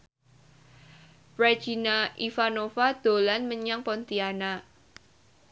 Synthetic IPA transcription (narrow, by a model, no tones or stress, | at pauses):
pɾḁd͡ʒ̥inaifanofad̪̥o̤lanməɲaŋpɔnt̪iana